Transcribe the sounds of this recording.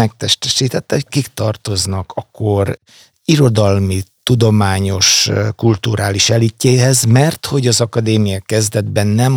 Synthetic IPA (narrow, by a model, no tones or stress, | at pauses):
ɛk̚t̪ɛʃt̪ɛʃiːt̪ɛt̪ːɛhockikt̪ɒrt̪o̞znɒkɒkːo̞r | iɾo̞d̪ɒlmit̪ud̪o̞maːɲo̞ʃkult̪uɾʔaːliʃɛlicːeːɦɛzmɛrt̪ho̞ɟɒzɒkɒd̪eːmijɒkɛzd̪ɛd̪bɛnːɛm